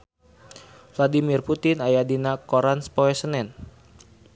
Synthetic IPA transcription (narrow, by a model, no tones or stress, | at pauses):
fladimirput̪ɪnajadinakoɾanspoɛsənɛn